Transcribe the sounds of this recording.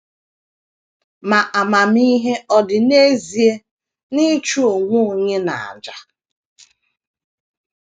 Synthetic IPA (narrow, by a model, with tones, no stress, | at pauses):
ma˨ʔa˨ma˨mi˦ɦe˦ɔ˨dɪ˨ne˦zi˨e˦ | ni˦t͡ʃu˦o˨ŋʷu˦o˨ɲe˦na̰˨a̰˨d͡ʒa˨